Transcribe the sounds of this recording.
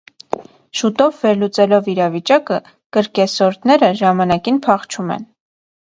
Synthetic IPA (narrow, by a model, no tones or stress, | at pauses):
ʃut̪ɔvːɛɾlut͡sɛlɔviɾɑvit͡ʃɑkə | kəɾkɛsɔɾd̪nɛɾəʒɑmɑnɑkinpʰɑχt͡ʃʰumɛ̰n